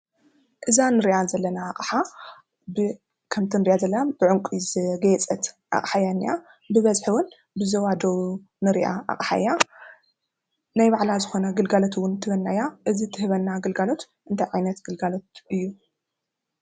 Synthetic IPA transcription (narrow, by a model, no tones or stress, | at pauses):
ʔɨzanɨɾiʔazɐlːɐnaːχʼħa | bɨ | kʰɐmt̪ʰinɨɾiʔazɐlːɐnabɨʕʊŋkʷʼizɨɡɐɛt͡sʼɐt̪ | ʔa̰χʼħajanːia | bɨβɐzħɨwʊn | bɨzɐwad̪ɐwu | nɨɾḭʔa̰ʔa̰χʼħa̰ja | najbaʕlazɨxo̞naɡɨlɡalot̪ʰwʊnt̪ʰɨβɐnːajaʔɨzit̪ʰɨhɨβɐnːaɡɐlɡalo̞t̪ | ʔɨnt̪ʰajʕajnɐt̪ɡɨlɡalot̪ʔɨjːu